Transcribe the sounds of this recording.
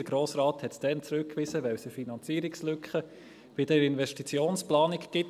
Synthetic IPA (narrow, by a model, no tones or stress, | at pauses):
əɡ̥ɾoːsɾaːthɛtsd̥ɛnt͡sɾʉkːʋɪsəʋɛwsəfinɑnt͡siːɾikslʏkχə | vid̥ɛɾɪnvɛʃtit͡sjoːnsplɑːnikɡ̥ɪt